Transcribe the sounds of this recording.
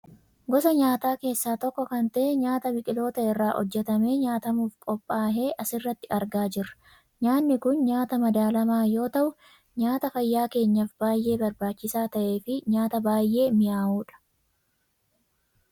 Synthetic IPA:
ɡɔsɐɲaːt̪aːke̞ːsːaːt̪ɔkːɔkɐnt̪ɐʔɛɲaːt̪ɐbɪkʼɪlo̞ːt̪ɐɪrːaːʔɔ̰d͡ʒːɛt̪ɐme̞ːɲaːt̪ɐmuːfkʼɔpʼːaːɦe̞ːʔɐsɪrːɐt̪ːɪɐɾɡaːd͡ʒɪrɐ̥ | ɲaːnːɪkʊnɲaːt̪ɐmɐd̪aːlɐmaːjo̞ːt̪ɐʔʊ | ɲaːt̪ɐfɐjːaːke̞ːɲːɐfbaːjʔe̞ːbɐɾbaːt͡ʃːɪsaːt̪ɐʔe̞ːfɪɲaːt̪ɐbaːjʔe̞ːmɪjaːhuːᶑɐ̥

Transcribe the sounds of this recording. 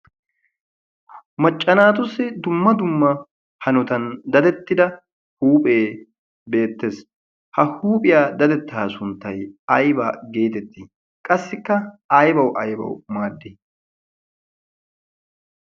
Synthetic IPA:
mɐt͡ʃʼːɐnaːt̪ʊsːɪd̪ʊmːɐd̪ʊmːɐ | hɐnɔt̪ɐnd̪ɐd̪ɛt̪ːɪd̪ɐ | huːpʼe̞ː | be̞ːt̪ːeːs | hɐhuːpʼɪjaːd̪ɐd̪ɛt̪ːaːsʊnt̪ːɐjɐjbaːɡe̞ːt̪ɛt̪ːi | kʼɐsːɪkːɐɐjbɐwʔɐjbɐ̰wmaːd̪ːɪ

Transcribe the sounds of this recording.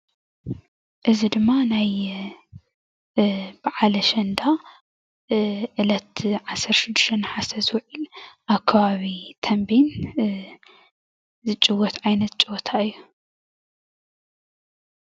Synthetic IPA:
ʔɨzid̪ɨmːanaj | b̥aʕalɐʃɐnd̪a | ʔɨlɐt̪ʕasɐɾʃɪd̪ːɨ̥ʃt̪ʰɐnħasɐzwɔʕilʔaβkʰɐβaβit̪ʰɐmbin | zɨt͡ʃʼɨwɔt̪ʕajnɐt̪̚t͡ʃʼɨwɔt̪ʰaɨjːu

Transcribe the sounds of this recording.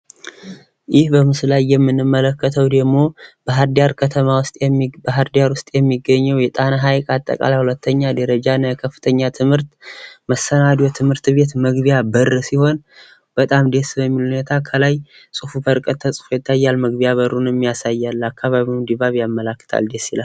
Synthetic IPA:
jɪhbəmɨslajːɛmːɨnːɨmːələkːət̪ʰəwd̪əɡmo̞b̥əɦaɾd̪ijaɾkʰət̪ʰəmawʊst̪ʼbəɦaɾd̪ijaɾwʊst̪ʼjɛmːiɡːəɲːɛwjɛt̪ʼanaɦajkʼat̪ʼːə̰kʼa̰lajhulət̪ʰːəɲːad̪əɾəd͡ʒanːkʰəfːɨ̥t̪ʰəɲːat̪ʰɨmhɨɾt̪məsːənad̪jot̪ʰɨmhɨɾt̪be̞t̪məɡbijabərːsiho̞n | b̥ət̪ʼamd̪e̞sbəmːilunet̪ʰakʰəlaj | sʼufubəɾkʼət̪ʰːəsʼɨ̥fujɪt̪ʰːajːalməɡbijaβəɾːunjɛmːijasajːalːakʰːaβaβiwnd̪iβaβijamːələkːɨ̥t̪ʰa̰ld̪e̞sːila

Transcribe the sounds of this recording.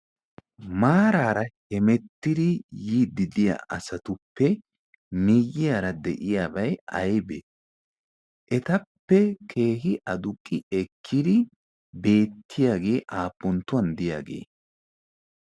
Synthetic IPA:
maːɾaːɾɐhɛmɛt̪ːɪd̪ɪjiːd̪ɪd̪ɪja̰ʔɐsɐt̪ʊpːɛ | mɪjːɪjaːɾɐd̪ɛʔɪjaːbɐjɐjbɛ | ʔɛt̪ɐpːɛkʰe̞ːhɪʔɐd̪ʊkʼːɪɛkʰːɪd̪ɪ | be̞ːt̪ʰːɪjaːɡe̞ːʔaːpːɔnt̪ːʊwɐnd̪ɪja̰ːɡe̞̰ː

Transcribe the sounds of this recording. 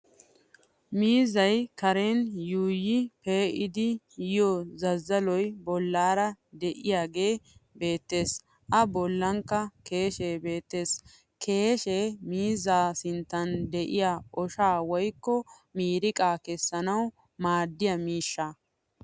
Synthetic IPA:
miːzɐjkɐɾɛnjuːjɪpeːʔɪd̪ɪ | jɪjozɐzːɐlɔjbɔlːaːɾɐd̪ɛʔɪjaːɡe̞ːbe̞ːt̪ːe̞ːs | ʔɐbɔlːɐŋkːɐke̞ːʃeːbe̞ːt̪ːe̞ːs | kʰe̞ːʃeːmiːzaːsɪnt̪ːɐnd̪ɛʔɪjaːɔʃaːwɔjkːɔ | miːɾɪkʼaːkɛsːɐnɐw | maːd̪ːɪjɐmiːʃːa

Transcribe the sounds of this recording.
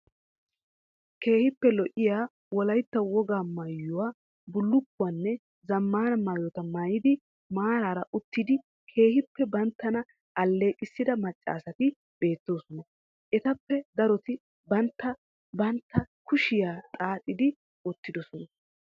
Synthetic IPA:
ke̞ːhɪpːɛlɔʔɪjaː | wɔlɐjt̪ːɐwɔɡaːmɐjːʊwaː | bʊlːʊkːʊwanːɛ | zɐmːaːnɐmaːjɔt̪ɐmajɪd̪ɪ | maːɾaːɾɐʔʊt̪ːɪd̪ɪ | kʰe̞ːhɪpːɛbɐnt̪ːɐnɐ | ʔɐlːe̞ːkʼɪsːɪd̪ɐmɐt͡ʃʼːa̰ːsɐt̪ɪ | b̥e̞ːt̪ːoːsɔnɐ | ʔɛt̪ɐpːɛd̪ɐɾɔt̪ɪ | bɐnt̪ːɐ | bɐnt̪ːɐkʊʃɪjaːt̪ʼaːt̪ʼːɪd̪ɪ | ɔt̪ːɪd̪ɔsɔnɐ

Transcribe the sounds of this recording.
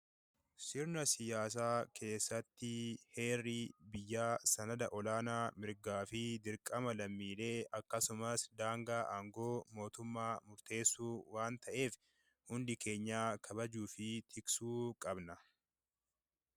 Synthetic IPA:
sɪɾnɐsɪjaːs̬aːkʰe̞ːsːɐt̪ːɪhe̞ːrːibɪjːaːsɐnɐd̪ɐʔɔlaːnaːmɪɾɡaːfɪd̪ɪɾkʼɐmɐlɐmːiːle̞ːɐkːɐsʊmɐsd̪aːŋɡaːʔaːŋɡo̞ːmo̞ːt̪ʊmːaːmʊɾt̪e̞ːsːuːwaːnt̪ɐʔe̞ːf | hʊnd̪ɪkʰe̞ːɲːaːkʰɐbɐd͡ʒuːfɪt̪ʰɪksuːkʼɐbnɐ

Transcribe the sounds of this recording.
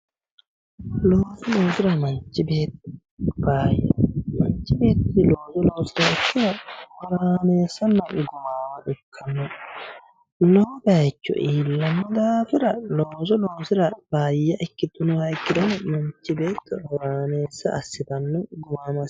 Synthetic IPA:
loːsɔlo̞ːsɪɾɐmɐnt͡ʃːɪbe̞ːt̪ː | b̥aːjːɐmɐnt͡ʃːɪbe̞ːt̪ːɪlo̞ːzɔlo̞ːsɪɾɐt͡ʃːɪɐhɔɾaːneːsːɐnːɐɡʊmaːmɐʔɪkʰːɐnːɔ | loːbɛɐt͡ʃːɔ̰ʔiːlːɐmːɐd̪aːfɪɾɐloːsɔloːsɪɾɐbaːjːɐʔɪkːɪt̪ːɔnɔhɐjkːɪd̪ɔnmɐɲt͡ʃːɪbe̞ːt̪ːɛɔɾaːneːsːɐʔɐsːɪt̪ɐnːɔɡʊmaːmɐs

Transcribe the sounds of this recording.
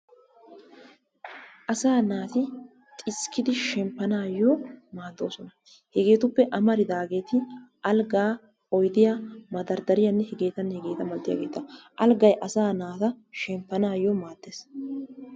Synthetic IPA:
ʔɐsaːnaːt̪ɪ | t̪ʼɪskːɪd̪ɪʃɛmpːɐnaːjɔmaːd̪ːo̞̰ːsɔnɐ | hɛɡe̞ːt̪ʊpːɛʔɐmɐɾɪd̪aːɡe̞ːt̪ɪ | ɐlɡaː | ɔjd̪ɪjamɐd̪ɐɾd̪ɐɾɪjɐnːɛhɛɡe̞ːt̪ɐnːhɛɡe̞ːt̪ɐmɐlt̪ːɪja̰ːɡeːt̪ːɐʔɐlɡɐjʔɐsaːnaːt̪ɐʃɛmpːɐnaːjːɔmaːd̪ːeːs

